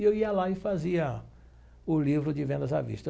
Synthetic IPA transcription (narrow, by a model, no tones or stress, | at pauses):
ewiɐlaɪfaziɐ | ʊlivɾʊd͡ʒɪvẽnd̪ɐza̰vḭʃt̪ɐ